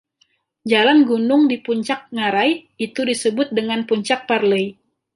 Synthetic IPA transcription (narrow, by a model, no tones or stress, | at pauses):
d͡ʒalanɡunʊŋdipuɲt͡ʃak̚ŋaɾaj | it̪udisəbʊt̪̚dəŋanpuɲt͡ʃak̚parləj